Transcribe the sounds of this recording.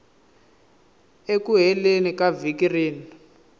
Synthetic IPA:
ekuɦɛlenikavikiriːni

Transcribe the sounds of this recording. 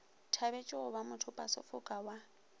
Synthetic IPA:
tʰaβet͡ʃʼɪʊβamʊtʰʊpʼasʊ̰fʊkʼawa

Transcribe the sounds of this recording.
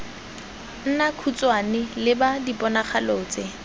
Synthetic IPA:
n̩nakʰut͡sʼwanɪlɪbadipʼɔnaχaloːt͡sʼɪ

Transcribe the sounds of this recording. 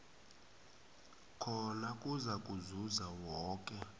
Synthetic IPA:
kʰɔnakʼuzakʼuzuzawɔːkʼɛ

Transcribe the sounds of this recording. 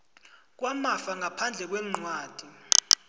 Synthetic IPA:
k̬wamafaŋapʰand͡ɮʱɛk̬wɛm̩ŋ͡ǀwaːd̥ʱi

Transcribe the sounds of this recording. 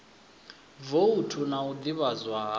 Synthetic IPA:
voutʰunaud̪iβazwaː

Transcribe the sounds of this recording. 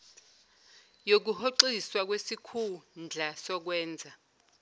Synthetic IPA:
jok̬uhoǃiswak̬wesikʰund͡ɮʱasɔk̬wɛːnd͡zʱa

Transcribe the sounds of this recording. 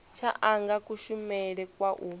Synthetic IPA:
t͡ʃʰaʔaŋɡakuʃumɛɺɛkwaʔu

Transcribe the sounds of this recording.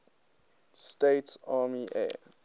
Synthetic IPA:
steɪtsaːmiʔɛ̰ː

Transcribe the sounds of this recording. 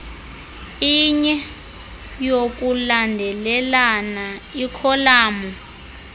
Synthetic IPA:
iɲɛ | jok̬ulandʱɛlɛlanaikʰɔlaːmɔ

